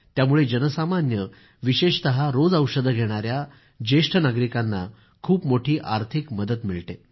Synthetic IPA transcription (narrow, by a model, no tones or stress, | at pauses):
t̪jamuɭed͡ʑənəsamanjə | ʋiɕeɕt̪əɦaɾod͡zəwʂəd̪ʱəɡʱeɽ̃aɾja | d͡ʑeʂʈʰənaɡɾikanːa̰ | kʰuːpmoʈʰiːʔaɾt̪ʰikməd̪ət̪miɭt̪e